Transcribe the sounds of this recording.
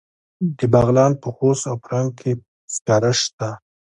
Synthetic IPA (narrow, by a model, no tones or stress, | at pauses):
d̪əbaɣlɑnpəxosawpəɾaŋɡ̚kʰe | skɑɾaʃt̪a